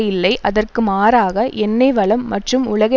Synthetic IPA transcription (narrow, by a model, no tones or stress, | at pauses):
jɪlːɐɪʔɐðɐrkɯmaːɾaːɣɐʔɛnːɐɪʋɐɭɐmːɐʈrɯmʊɭɐɣɐ